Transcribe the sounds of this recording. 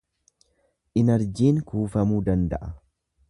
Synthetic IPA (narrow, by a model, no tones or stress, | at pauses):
ʔɪnɐɾd͡ʒiːŋkuːfɐmuːd̪ɐnd̪ɐ̰ʔɐ